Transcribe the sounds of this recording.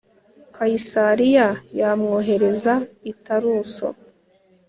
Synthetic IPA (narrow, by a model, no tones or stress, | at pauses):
kaisaɾijajamŋoːɦe̞ɾe̞zaitaɾuːso̰